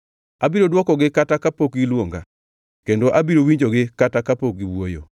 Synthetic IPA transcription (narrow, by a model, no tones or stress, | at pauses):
abiɾodwɔkɔɡɪkatakapokilwoŋɡa̰ | kendoʔabiɾowiɲd͡ʒoɡɪkatakapok̚iwwojo̰